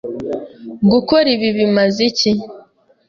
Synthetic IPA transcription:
ɡukoɾiβiβimazici

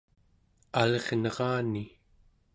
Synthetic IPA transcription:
aleʁnʌʁɑːni

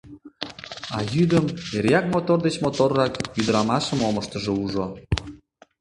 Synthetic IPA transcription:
ɑjyd̪əmeɾjɑk̚mot̪ord̪et͡ɕmot̪orːɑkjyd̪əɾɑmɑʃəmoməʃt̪əʒeuʒo

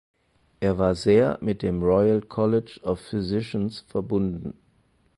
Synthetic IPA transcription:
ʔeːɐvaːɐzeːɐmɪt̚d̥eːmʁɔʏəlkʰɔlɪd͡ʒɔfːyzɪʃənsfɛɐbʊndn̩

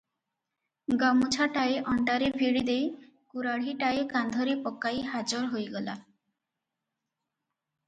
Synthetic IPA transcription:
ɡamut͡ʃʰaʈaeʔɔɳʈaɾebʱiɽid̪ej | kuɾaɽ̤iʈaekand̪ʱɔɾepɔkːajɦad͡ʒɔɾɦojɡɔla̰

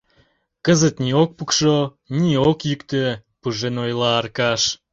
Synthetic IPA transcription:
kəzət̪niok̚pukʃo | niokjykt̪əpuʒenojlɑːrkɑʃ

